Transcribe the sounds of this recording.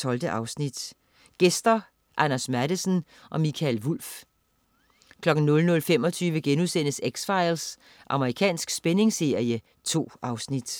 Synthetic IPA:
ɒ̽ld̥əʔɑ̈ʊsnid̥ | ɡ̥esd̥ɐ | ʔænɐsmæɾ̥əsn | ʔɒ̽mikʰælʋul̰f | kʰlɒ̽ɡ̥n̩nɔ̽lnɔ̽lfem̰ɒ̽t͡sʰyːʋəɡ̥enusen̰əseɡ̥sfɑ̈ɪls | ʔɑ̈məʁikʰɛ̰ːnsɡ̥sb̥ene̝ŋse̝ɐijə | t͡sʰo̝̰ːʔɑ̈ʊsnid̥

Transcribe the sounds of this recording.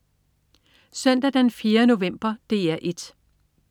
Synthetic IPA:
sœn̰d̥æd̥enfje̝ːɐno̝ʋem̰b̥ɐd̥e̝ːæɐʔe̝d̥

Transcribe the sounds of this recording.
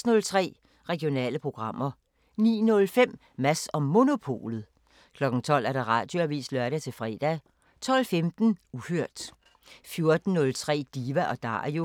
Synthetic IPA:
snɔ̽lt͡sʰʁɛ̰ː | ʁɛɡ̥jo̝nɛ̰ːləpʰʁo̝ɡ̥ʁɑ̈m̰ɐ | nḭːnɔ̽lfem̰ | mæsɒ̽mːo̝no̝pʰo̝̰ːlð̩ˠ | kʰlɒ̽ɡ̥n̩t͡sʰɒ̽l̰æɐɾ̥ɑ̈ʁɑ̈d̥øɐʋḭːslœɐɾæt͡sʰe̝lfʁɛ̰ːd̥ɛ | t͡sʰɒ̽l̰femd̥n̩uhøɐ̰d̥ | fjo̝ɐd̥n̩ːɔ̽lt͡sʰʁɛ̰ːd̥iːʋæʔɒ̽d̥ɑ̈ːo̝

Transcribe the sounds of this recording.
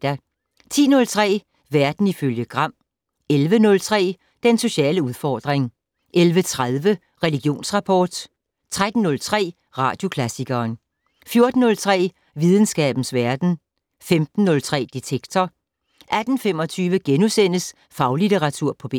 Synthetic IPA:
æ | t͡sʰḭːnɔ̽lt͡sʰʁɛ̰ː | ʋæɐd̥n̩iføljəɡ̥ʁɑ̈m̰ | elʋənɔ̽lt͡sʰʁɛ̰ː | d̥enso̝ɕɛ̰ːləuð̞ˠfɒːd̥ʁeŋ | ʔelʋət͡sʰʁaðˠʋə | ʁɛliɡ̥jo̝̰ːnsʁɑ̈pʰɒ̰ːd̥ | t͡sʰʁad̥n̩ːɔ̽lt͡sʰʁɛ̰ː | ʁɑ̈ːd̥jo̝kʰlæsiɡ̥ɐːn | fjo̝ɐd̥n̩ːɔ̽lt͡sʰʁɛ̰ː | ʋiðˠn̩sɡ̥ɛ̰ːb̥n̩sʋæɐd̥n̩ | femd̥n̩ːɔ̽lt͡sʰʁɛ̰ːd̥it͡sʰeɡ̥t͡sʰɒ | ʔæd̥n̩fem̰ɒ̽t͡sʰyːʋəɡ̥enusen̰əs | fɑ̈ʊlit͡sʰeʁɑ̈t͡sʰuɐ̰pʰɒ̽b̥e

